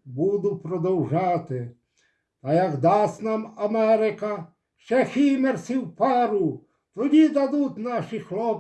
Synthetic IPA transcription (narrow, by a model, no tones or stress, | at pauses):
bud̪ʊpɾɔd̪ɔwʒɑt̪ɪ | t̪ɐjɐɡd̪ɑsʲt̪ʲnɑmɐmɛɾɪkɐ | ʃt͡ʃɛxʲimersʲiwpɑɾu | t̪ɔdʲid̪ɐd̪ut̪ʲnɑʃixlˠɔp